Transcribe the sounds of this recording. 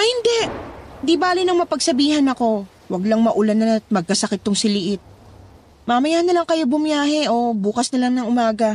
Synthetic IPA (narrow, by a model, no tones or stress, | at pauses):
ʔɐhɪnd̪ɛʔhhɪnd̪ibaːlɪnɐŋmɐpɐɡsɐbiːɦɐnɐko̞ | wɐɡlaŋmɐʔʊlanɐɐt̪̚mɐɡ̚kɐsɐkɪt̪ːʊŋsɪlɪʔɪt̪̚ | mɐmɐjaːhɐnːɐlaŋkɐjobʊmjaːhɛʔo̞buːkɐsnɐlaŋnɐŋʔʊmaːɡɐ